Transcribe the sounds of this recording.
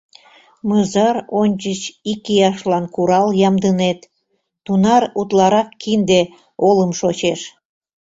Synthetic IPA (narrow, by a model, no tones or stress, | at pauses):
məzɑɾonʲt͡ɕət͡ɕikijɑʃlɑnkuɾɑljɑmd̪ənet̪ː | unɑɾut̪lɑɾɑkːind̪e | oləmʃot͡ɕeʃ